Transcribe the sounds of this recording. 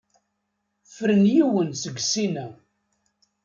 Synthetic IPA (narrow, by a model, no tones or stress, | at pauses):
fɾənjiwənsəɡsinæ